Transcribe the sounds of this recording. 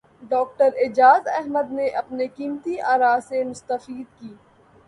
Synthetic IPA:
ɖɔːk̚ʈəɾɪd͡ʒaːzɛɦməd̪neʔɐpnekiːmt̪iʔaːɾaːsemʊst̪əfiːd̪̚kiː

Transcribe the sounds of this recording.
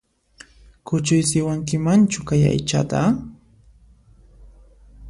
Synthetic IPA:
kʊt͡ʃʊjsɪwaŋkɪmant͡ʃʊkaja̰jt͡ʃa̰t̪a

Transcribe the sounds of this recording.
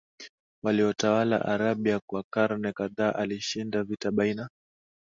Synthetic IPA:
waliɔtawala̰ʔaɾaɓiakwakaɾnɛkaðaːʔaliʃindavitaɓaina

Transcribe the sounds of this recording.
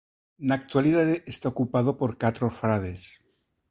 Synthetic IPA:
nak̚t̪waliðaðeest̪aokupaðopoɾkat̪ɾofɾaðes

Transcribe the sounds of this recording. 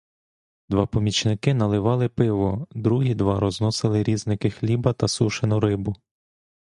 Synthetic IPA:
d̪ʋɑpɔmʲit͡ʃnɪkɪnɐlˠɪʋɑlˠɪpɪʋɔd̪ɾuɦid̪ʋɑɾɔznɔsɪlˠɪɾʲiznɪkɪxlʲibɐt̪ɐsuʃenʊɾɪbʊ

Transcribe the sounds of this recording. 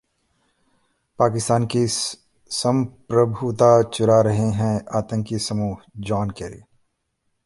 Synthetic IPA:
paːkɪst̪aːnki | sə̃mpɾəbʱut̪at͡ʃʊɾaɾɐɦeɦɛ̃aːt̪ə̃ŋkisɐmuːɦd͡ʒɔːnkɛːɾḭ

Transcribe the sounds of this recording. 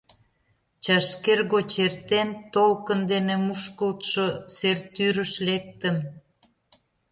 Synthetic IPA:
t͡ɕɑʃkerɣot͡ɕert̪ent̪olkənd̪enemuʃkəlt̪ʃosert̪yɾəʃlek̚t̪əm

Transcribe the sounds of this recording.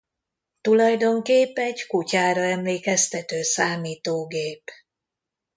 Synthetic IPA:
t̪ulɒjd̪o̞ŋkeːpːɛɟkucaːɾɒɛmleːkɛst̪ɛt̪øːsaːmiːt̪oːɡeːp

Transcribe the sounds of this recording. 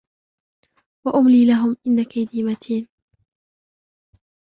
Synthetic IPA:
waʔʊmliːlaɦʊmʔɪnːakajd̪iːmat̪ʰiːn

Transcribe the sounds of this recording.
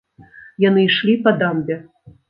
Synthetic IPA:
janɨiʂlʲipɐd̪ambʲɛ

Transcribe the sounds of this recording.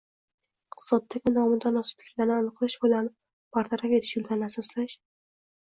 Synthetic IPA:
ɪq̚t̪ʰɨ̥sɒd̪ːaɡʲɪnɒmʊd̪anːɒsɪ̥p̪̚ɪ̥kʰʲɪɾlanɪanɨqlaʃbʊlan | b̥aɾt̪ʰaɾafʲe̞t̪ʰɪ̥ʃjʊlˠd̪ʰanɪasɒslaʃ

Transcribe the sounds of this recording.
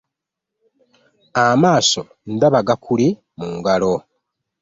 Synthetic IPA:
amaːso̞ | n̩daβaɡakʰuli | muːŋɡalo

